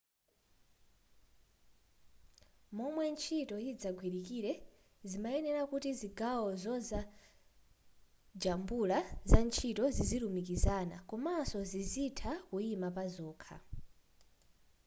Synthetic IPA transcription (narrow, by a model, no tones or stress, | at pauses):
mɔmwɛnt͡ʃʰitɔjid͡zaɡʱwiɾikiːɾɛ | zimaɛnɛɾakutiziɡawɔzɔnza | d͡ʒambulazant͡ʃʰitɔzizilumikizaːna̰kɔmasɔzizitʰakuimapazɔːkʰa̰